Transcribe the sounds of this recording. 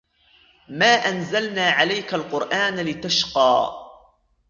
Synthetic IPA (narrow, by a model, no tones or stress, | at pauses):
maːʔanzalnaːʕalajkalqʊɾʔaːnlɪt̪aʃqɑː